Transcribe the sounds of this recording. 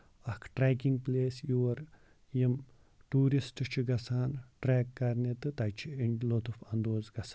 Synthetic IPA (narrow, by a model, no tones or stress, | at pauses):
ɐkʰʈɾeːkiŋɡ̚pleːsjuːɐɾ | jim | ʈuːɾisʈɨt͡ʃʰiɡɐsaːnʈɾeːkːɐɾnet̪ɨt̪ɐt͡ʃʰiiɳlot̪ufɐnd̪oːzɡɐsa